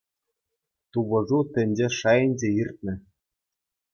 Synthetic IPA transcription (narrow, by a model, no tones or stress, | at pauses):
t̪uβɤ̆ʐut̪ʲɘ̆nʲd͡ʑeʂɑjɘ̆nʲd͡ʑeirt̪̚ʲnʲɘ̆